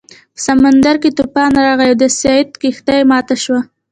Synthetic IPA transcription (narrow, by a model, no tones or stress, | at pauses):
pəsamand̪aɾket̪ʊpɑnɾɑɣajwd̪əsɑjɪt̪kext̪ɑjemɑt̪aʃwa